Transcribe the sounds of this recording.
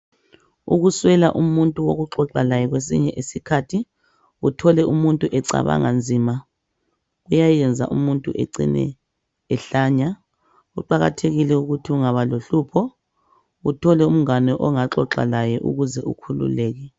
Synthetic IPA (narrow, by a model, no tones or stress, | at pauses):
uɣuswɛla̰ʔumuntʼuwo̰ɣuǁɔǁalajɛɣwes̬ḭɲɛʔesikʰatʰi | utʰɔlɛʔumuntʼuʔɛǀa̰βa̰ŋand͡zʱima | ɣujajɛnd͡zʱa̰ʔumuntʼuʔḛǀḭnɛ̰ | ɛɬaɲa | uǃaɣa̰tʰeɣilɛuɣutʰiuŋaβaloɬupʰɔ | utʰɔlɛum̩ŋanɛʔɔŋaǁɔǁa̰lajɛʔṵɣuzɛʔṵkʰulṵlɛːɣɛ